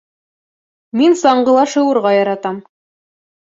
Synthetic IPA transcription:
minsɑɴɢɤ̆lˠɑʃɤ̆wɤ̆ɾʁɑjɑɾɑt̪ɑm

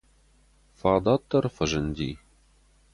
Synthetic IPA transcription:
fɑd̪ɑt̪ːɤrfə̆ʒɘ̆nʲd̪ʲḭ

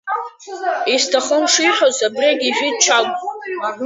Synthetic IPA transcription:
istʰaχəmʂiħʷozabraɡʲiʒʷᶣit͡ʃʰakʷʼ

